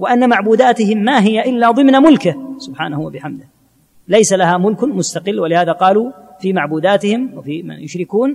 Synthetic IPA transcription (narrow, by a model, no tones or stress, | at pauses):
wɪʔanːamaʕbuːd̪aːt̪ɪhɪmːaːɦɪjaʔɪlːaːðˤɨmnamʊlkɪsʊbħa̰ːnahuwabɪħamd̪ɪh | lajsalahaːmʊlkʊmʊst̪aqɪlːwɪlɪhaːðaqɑːlu | fiːmaʕbuːd̪aːt̪ɪhɪmwafiːma̰njʊʃɾɪkuːn